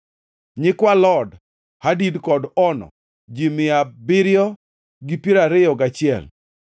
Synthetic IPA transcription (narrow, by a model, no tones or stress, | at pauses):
ɲɪkwalɔd | hadidkɔdɔnɔ̰ | d͡ʒimɪabɪɾjɔ | ɡipiɾaɾɪjɔɡat͡ʃɪɛ̰l